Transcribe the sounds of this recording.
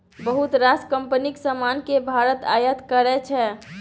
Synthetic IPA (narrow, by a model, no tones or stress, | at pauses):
bəɦut̪ɾaskəmpəniksəmankebʱaɾət̪ajət̪kəɾɛt͡ʃʰɛ